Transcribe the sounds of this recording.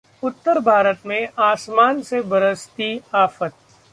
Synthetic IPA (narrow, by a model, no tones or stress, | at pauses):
ʊt̪ːəɾbʱaːɾət̪mẽaːsmaːnsebɐɾəst̪iaːfət̪̚